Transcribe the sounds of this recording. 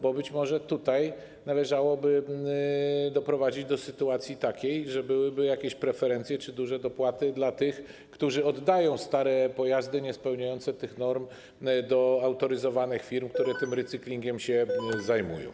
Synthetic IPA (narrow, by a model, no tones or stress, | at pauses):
bɔbɘt͡ɕmɔʐɛt̪ut̪aj | nalɛʐawɔbɘ | d̪ɔpɾɔvad͡ʑid͡ʑd̪ɔsɘt̪uat̪sʲjit̪akʲejʐɛbɘwɘbɘjakʲeɕpɾɛfɛɾɛnt̪sʲjɛt͡ʂɘd̪uʐɛd̪ɔpwat̪ɘd̪lat̪ɘx | kt̪uʐɘɔd̪ːajɔ̃w̃st̪aɾɛpɔjazd̪ɘɲɛspɛwɲajɔnt̪sɛt̪ɘxnɔɾm | d̪ɔawt̪ɔɾɘzɔvanɘxfʲiɾmkt̪uɾɛt̪ɘmɾɛt̪sɘklʲiŋɡʲɛmɕɛzajmṵjɔ̰̃w̃